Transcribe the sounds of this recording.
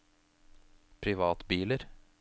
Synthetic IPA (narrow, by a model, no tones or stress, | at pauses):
pʰɾɪʋɑːt̪biːləɾ